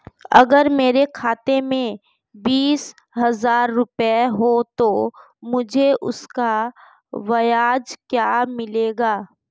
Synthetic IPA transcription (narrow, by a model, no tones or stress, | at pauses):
ɐ̰ɡəɾmeːɾekʰaːt̪emẽ | biːs | ɦɐzaːɾːʊpeɦot̪o | mʊd͡ʒʱeʔʊ̰ska | ʋɐjaːd͡ʒkjaːmɪleːɡaː